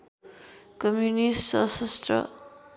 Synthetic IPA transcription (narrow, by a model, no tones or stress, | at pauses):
kʌmjunistsʌ̰sʌstrʌ̰